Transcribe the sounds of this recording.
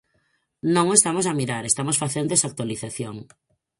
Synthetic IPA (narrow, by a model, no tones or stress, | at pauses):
nõŋest̪amosamiɾaɾest̪amosfaθend̪esak̚t̪waliθaθjoŋ